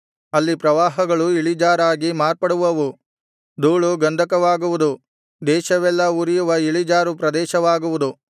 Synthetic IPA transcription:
ɐlːipɾɐʋaːɦɐɡɐɭuiɭid͡ʒaːɾaːɡimaːɾpɐɽuʋɐʋu | d̪uːɭuɡɐnd̪ʱɐkɐʋaːɡuʋud̪u | d̪ɛːʃɐʋɛlːɐuɾijuʋɐiɭid͡ʒaːɾupɾɐd̪ɛːʃɐʋaːɡuʋud̪u

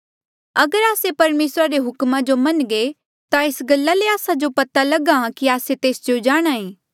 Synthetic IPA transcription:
ɐɡəɾaːsepɐɾmeːsɾaɾeɦʊkmãd͡ʒomɐnɡe | t̪aɪsɡɐlːaleaːsad͡ʒopɐt̪alɐɡãkiaːset̪eːsd͡ʒod͡ʒaːɽ̃aːeː

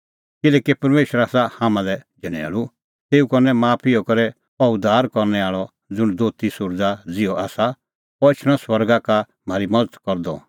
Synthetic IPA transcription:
kɪlɛːkipɐɾmeːʃəɾaːsahaːmãlɛd͡ʒʱɐɽ̃ɛ̰ːlu | t̪eːukɔnɛmaːpʰijɔkɐɾɛ | ɔʊd̪ʱaːɾkɔɾnɛaːɭɔ | d͡zʊɽ̃d̪oːt̪isʊɾd͡zad͡zɪɔʔaːsa | ɔɪt͡ʃʰɽ̃ɔ̃swɐɾɡaka | m̤aːɾimɐd͡zət̪kɔɾd̪ɔ̰

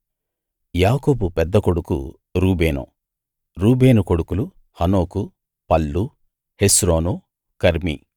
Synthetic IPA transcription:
jaːkoːbupɛd̪ːɐkoɽukṵ | ɾuːbeːnṵ | ɾuːbeːnuko̞ɽukulu | hɐno̞ːku | pɐlːu | hesɾoːnu | kɐɾmḭ

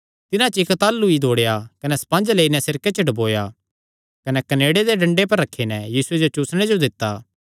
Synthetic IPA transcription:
t̪ɪnãt͡ʃɪkt̪aːlːuid̪ʱoːɽejakɐnɛsɐ̥pãːnd͡ʒleːinɛsɪɾket͡ʃɐɖɐboːja | kɐnɛkɐneːɽed̪eɖɐ̃ɳɖep̬ɐɾːɐkʰːinɛjiːsʊed͡ʒot͡ʃʊːsɽ̃ed͡ʒod̪ɪt̪ːaː

